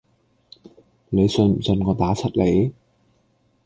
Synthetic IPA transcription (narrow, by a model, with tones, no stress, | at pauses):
le˨˧jsɵ˧nm̩˨˩t͡sɵ˧nkɔː˧˥t̪aː˨˥t͡sʰɐ˥t̚le˨˧˥j